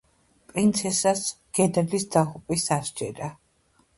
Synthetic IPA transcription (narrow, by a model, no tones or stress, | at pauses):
pʼɾint̪sʰɛsas | ɡ̥ɛd̪ɛlisd̪aʁupʼisaʃd͡ʒʼɛɾa